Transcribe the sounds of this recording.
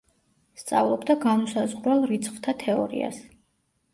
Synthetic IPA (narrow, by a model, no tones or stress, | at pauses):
st̪sʼa̰vlˠɔbd̪aɡamɔsazʁɾwɛlˠɾit̪sʰχvt̪ʰat̪ʰɛɔ̰ɾḭa̰s